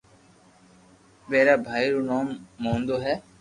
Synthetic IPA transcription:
ʋeːɾaːbʱaːiːɾuːnaːmːõːnd̪oːɦɛː

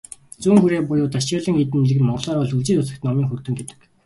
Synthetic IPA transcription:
t͡suːŋxuɾeːpʊjʊːt̪at͡ɕiːɮə̆ŋit̪ɘ̆nmiɮɘ̆ɣɘ̆nmɔɴɢɮɔːɾɔɮuɮt͡ɕiːt̪ʊsə̆kt̪nɔmiːŋxɵrt̪ɘ̆ŋɡet̪ɘ̥̆k

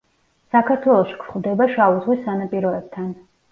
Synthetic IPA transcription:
sakʰaɾt̪ʰwɛlˠɔʃi̥kʰɾχwvd̪ɛbaʃauzʁwisːanapʼiɾɔɛb̥̚t̪ʰan

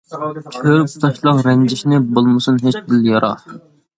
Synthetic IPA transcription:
t͡ʃʲʰøɾpu̥t̪ʰɑʃlˠɑqɾɛnd͡ʒɪʃnɪbolˠmɨsunɦet͡ʃbɪljɑɾʔɑ̰

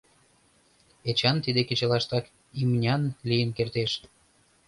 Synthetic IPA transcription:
et͡ɕɑnt̪id̪eket͡ɕɑlɑʃt̪ɑk | imnʲɑnlijənkert̪eʃ

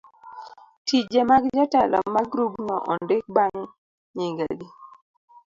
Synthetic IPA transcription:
tid͡ʒemaɡd͡ʒatalɔ̰maɡɾuɡnɔ̰ʔɔndɪk̚baŋ | ɲiŋɡa̰ɡi

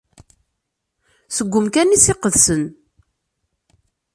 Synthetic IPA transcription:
səɡʷːʊmkænisɪqəðsən

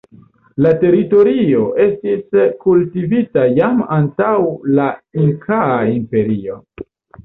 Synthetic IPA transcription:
late̞ɾito̞ɾio̞ʔe̞stiskultivitajamantawlaiŋkʰaaimpe̞ɾio̞

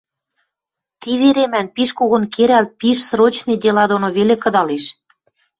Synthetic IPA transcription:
t̪iβeɾemænpiʃkoɣŏnkeɾælt̪̚piʃsɾot͡ɕned̪ʲelɑd̪onoβelekɤ̆d̪ɑleʃ

